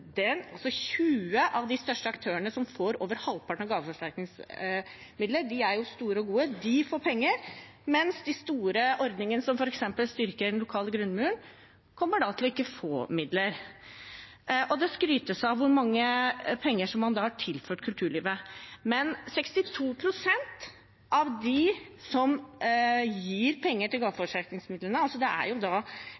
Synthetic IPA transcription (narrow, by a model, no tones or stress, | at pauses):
d̪ɛnɑlsɔçʉːəʔɑʋd̪ɪst̪œʂʈəɑkt̪ʰøːəɳnəsɔmfoːɾo̰ːʋəɾhɑlpʰɑʈɳ̩ɔɡɑːʋəfɔʂʈæɾknɪŋs | mɪd̪ləɖɪæɾjʊst̪uːɾəɔɡuːəd̪ɪfoːpʰɛŋːəɾ | mɛnsd̪ɪst̪uːɾəʔɔɾd̪nɪŋənəsɔmfɔɾɛksɛmpəlst̪ʏɾkəɾɖ̪ɛnlʊkʰɑːləɡɾʉnːmʉːəɳ | kʰɔmːəɖɑːt̪ʰɪlɔɪkːəfo̰ːmɪd̪ləɾ | ʔɔd̪ɛskɾyːt̪əsɑʋʋʊɾmɑŋːəpʰɛŋːəʂɔmːɑnd̪ɑːhɑʈʰɪlføːʈkʰʉlt̪ʰʉːɭiːʋəmɛnsɛkst̪ɪt̪ʰuːpʰɾʊsɛnt̪ | ʔɑʋd̪ɪsɔm | jiːɾpʰɛŋːəʈɪlɡɑːfɔʂæɾknɪŋsmɪd̪lənəɑlsɔd̪ɛʔæ̰ɾjʊd̪ɑː